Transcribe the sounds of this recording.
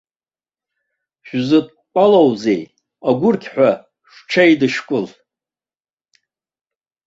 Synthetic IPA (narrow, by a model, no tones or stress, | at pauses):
ʃᶣzɨtʼ | pʼalowze̞j | aɡʷʊrkʲʰħʷᶣa | ʂʷʈ͡ʂʰajdɨʂkʷʼʊl